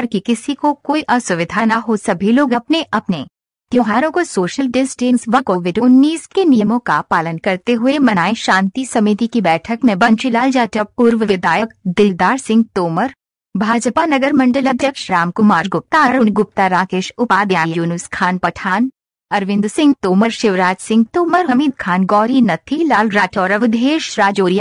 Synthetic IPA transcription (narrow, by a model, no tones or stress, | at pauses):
ɐɾkikɪsikokoːiʔɐsʊʋɪd̪ʱaːnaɦosɐbʱiloːɡɐpneʔɐpne | t̪joːɦaːɾõkosoːʃəlɖɪsʈɪnsʋɐkoːʋɪɖʊnːiːskenijəmõkapaːlənkɐɾt̪eɦʊemɐnaːeʃãːnt̪isɐmit̪ikibɛːʈʰəkmẽbɐnʃɪlaːld͡ʒaːtəpuːɾʋəʋɪd̪ʱaːjəkd̪ɪld̪aːɾsɪ̃ŋɡ̚t̪oːməɾ | bʱaːd͡ʒpanɐɡəɾmɐ̃ɳɖəlɐd̪jɐkʃɾaːmkʊmaːɾɡʊp̚t̪aɐɾʊnɡʊp̚t̪aɾaːkeːʃʊpaːd̪jaːjjuːnʊskʰaːnpɐʈʰaːn | ɐɾʋɪ̃nd̪sɪ̃ŋɡ̚t̪oːməɾʃɪʋɾaːd͡ʒsɪ̃ŋɡ̚t̪oːməɾɦɐmiːd̪̚kʰaːnɡɔːɾinɐt̪ʰilaːlɾaːʈɔːɾɐʋɪd̪ʱeːʃɾaːd͡ʒoːɾija